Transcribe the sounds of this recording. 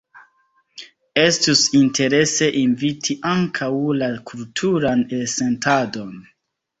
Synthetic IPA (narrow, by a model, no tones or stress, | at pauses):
e̞stusintʰe̞ɾe̞se̞ʔinvitʰiʔaŋkʰawlakultʰuɾanese̞ntʰado̞n